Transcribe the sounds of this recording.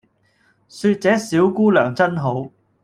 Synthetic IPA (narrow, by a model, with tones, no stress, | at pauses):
syː˧t̚t͡sɛː˨˥siː˨˥wkuː˥lœː˨˩ŋt͡sɐ˥nɦo˨˥w